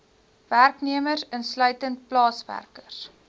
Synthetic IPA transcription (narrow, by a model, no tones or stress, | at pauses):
værkniəmərsənslœɥtənt̚plɑːsvæ̰rkəs